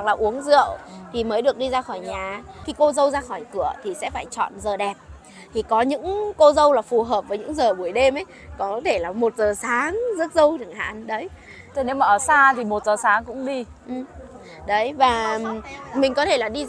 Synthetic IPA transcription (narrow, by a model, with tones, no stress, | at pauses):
a˨ŋ̚laː˨˩ʔu˨˦əŋzɨ̰˧˨əwt̪ʰi˨˩məː˨˦jɗɨ˨˩ək̚ɗi˧zaː˧xɔː˧˩jɲaː˨˩xi˧ko˧zə˧wzaː˧xɔ˧˩jkɨ˧˩ət̪ʰi˨˩sɛ̰˧˥faː˧˩jt͡ɕɔ̰˧˨nzəː˨˩ɗɛ˨˩p̚ | t̪ʰi˨˩kɔ˨˦ɲɨ̰˧˥ŋko˧zə˧wlaː˨˩fu˨˩ɦəː˨˩p̚vəː˨˦jɲɨ̰˧˥ŋzəː˨˩ɓu˧˩əjɗe˧mə˨˦j | kɔ˨˦t̪ʰe˧˩laː˨˩mo˨˩t̚zəː˨˩saː˨˦ŋzə˦˥t̚zə˧wt̪ʰɨ˨˧˩əŋha̰ː˧˩˨nɗə˨˦j | t̪o˧˦jne˨˦wmaː˨˩ʔəː˧˩saː˧t̪ʰi˨˩mo˨˩t̚zəː˨˩saː˨˦ŋkʊ̰˧˥ŋ͡mɗi˧ | ʔɨ˨˩m | ɗə˨˦jvaː˨˩ | mï˨˩ŋ̟kɔ˨˦t̪ʰe˧˩laː˨˩ɗi˧